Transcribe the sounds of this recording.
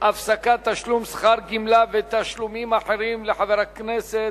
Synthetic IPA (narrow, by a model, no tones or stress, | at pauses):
ʔafsakat̪ːaʃlumsχaɾɡimlavet̪aʃlumimaħeʁimleħaveʁakneset̪